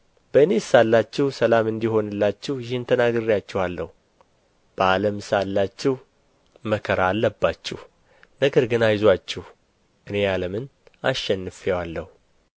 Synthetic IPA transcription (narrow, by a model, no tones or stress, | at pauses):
b̥əɨne̞salːat͡ʃːɪhsəlamɨnd̪iho̞nɨlːat͡ʃːɪhjɪhɨnt̪ʰənaɡɨrːijat͡ʃːɪhalːə̰hu | b̥əaləmsalːat͡ʃːɪh | məkʰəɾaːlːəbːat͡ʃːɪ̰h | nəɡəɾɡɨnajzwat͡ʃːɪh | ʔɨne̞jaləmɨna̰ʃːɛnːɨfɛwalːəhu